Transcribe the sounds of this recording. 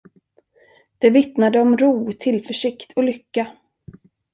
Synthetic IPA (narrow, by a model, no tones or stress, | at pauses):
d̪̥ɛvɪt̪nad̪əɔmɾuːt̪ʰɪlfœʂɪkt̪ʰɔlʏkːa